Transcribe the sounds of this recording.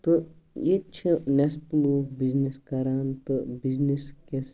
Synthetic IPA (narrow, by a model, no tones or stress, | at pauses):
t̪ɨet͡ʃʰinespluːbizneskɐɾaːnt̪ɨbizniskes